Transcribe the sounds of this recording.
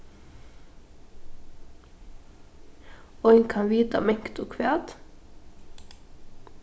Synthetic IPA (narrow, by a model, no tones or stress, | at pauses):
ɔʏŋkʰɑnʋiːt̪ɑ̰mɛŋkt̪ʊːkʰʋæːt̪